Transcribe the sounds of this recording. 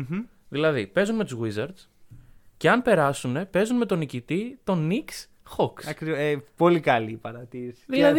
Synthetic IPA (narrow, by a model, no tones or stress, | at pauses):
ðilɐðipe̞zunme̞t̪uzɣwizɐɾd̪s | ce̞ɐnpe̞ɾɐsune̞pe̞zunme̞t̪onicit̪it̪o̞niks | xoksɐkɾiepo̞likɐliːpɐɾɐt̪iɾisi̥ðilɐð